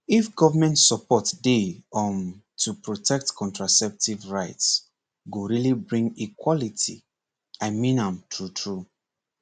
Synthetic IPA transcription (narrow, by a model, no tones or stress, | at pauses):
ifɡɔvəmɛ̃ntsɔpʰɔtdeɔn | tʰupʰɹotʰɛk̚tkʰɔ̃ntɹasɛp̚tivɹaɪts | ɡoɹilibɹĩŋikwɔlitʰḭ | aɪmĩnãmtʰɹutʰɹu